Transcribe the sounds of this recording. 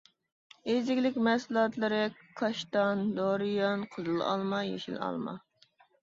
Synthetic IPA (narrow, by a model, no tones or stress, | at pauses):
ezɪkʲlɪkʲmɛsɨlˠɑt̪lˠɨɾɪkʰɑʃt̪ɑnd̪oɾijɑnqʰəzɨlˠɑ̰lˠmɑjḛʃḭlɑ̰lˠmɑ̰